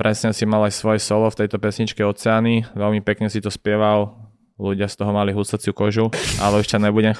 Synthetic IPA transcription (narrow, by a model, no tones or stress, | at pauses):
pɾʔɛsɲɛsimalajsʋɔjɛsɔlɔft̪ɛjt̪ɔpɛsɲit͡ʃkɛɔt͡sɛaːniʋɛlmipɛkɲɛsit̪ɔspɪɛʋal | luɟɪast̪ɔɦɔmaliɦusat͡sɪukɔʒuʔa̰lɛuʃt͡ʃaɲɛbuɟɛm